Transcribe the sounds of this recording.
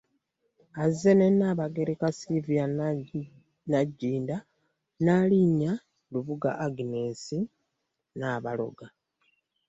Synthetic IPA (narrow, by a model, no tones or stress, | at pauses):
azenenaːβaɡe̞ɾekasivija | naɟːiːnda | naːliɲa | luβuɡa̰ʔaɡineːsi | naːβalo̞̰ɡa